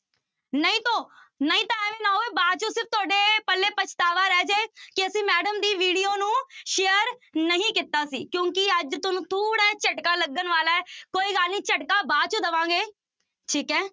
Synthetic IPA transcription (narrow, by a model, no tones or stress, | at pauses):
nəĩːt̪õː | nəĩːt̪ãːɛ̃ːʋĩːnaːoeːbaːt͡ʃõːsɪɾf̚ʰt̪ʊaːɖeːpəlːeːpət͡ʃʰt̪aːʋaːɾɛːd͡ʒeːkɪəsĩːmɛːɖəmd̪iːʋiːɖijoːnũːʃeːəɾnəɦĩːkɪt̪ːaːsḭːkjõːkɪəd͡ʒt̪ʊnũːt̪ʰuːɽɛːt͡ʃəʈkaːləɡənʋaːlaːɛkoːiːɡaːlniːt͡ʃəʈkaːbaːt͡ʃũːd̪əʋãːɡeː | ʈʰiːkɛ̃ː